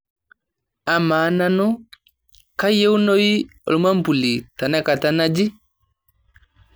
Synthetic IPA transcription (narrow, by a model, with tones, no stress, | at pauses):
a˨maː˨˦na˦nu˦ | ka˦je˦wno˦ji˦o̰˨lu˨ma˦m˦pu˨li˨ta˨nɛ˦ka˨ta˦na˦d͡ʒi˦